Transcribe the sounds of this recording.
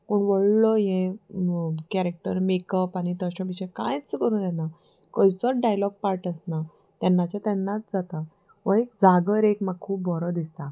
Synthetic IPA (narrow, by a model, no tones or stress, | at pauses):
koɳʋəɭlɔjɛ̃ | kɛɾek̚ʈəɾmekəpanit̪əɕə̃biɕə̃kã̰jt͡skəɾuːnjɛna | kəjt͡sɔɾɖajlɔɡ̚paɾʈəsna | t̪jɛnːat͡ɕjat̪ɛnːat͡sd͡zat̪a | ʋəekd͡zaɡəɾekmaɡ̚kʰuːp̚bɔɾɔd̪ist̪a